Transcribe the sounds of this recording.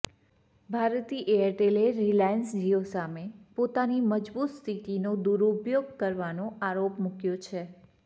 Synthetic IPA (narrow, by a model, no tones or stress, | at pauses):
bʱaɾt̪iʔeəɾʈeleɾilajənsd͡ʒiosamepot̪animəd͡ʒbut̪st̪ʰit̪inod̪uɾupjoɡ̚kəɾʋanõʔaɾopmukjot͡ʃʰe